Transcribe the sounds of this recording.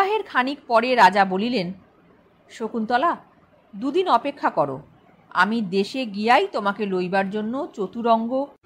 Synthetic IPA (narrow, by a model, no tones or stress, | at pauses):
aɦeɾkʰanik̚pɔɾeɾad͡ʑabolilen | ʃokunt̪ɔla | d̪ud̪inɔpekʰːakɔɾo̰ | a̰mid̪eʃeɡiajt̪omakelojbaɾd͡ʑonːot͡ɕot̪uɾɔŋɡo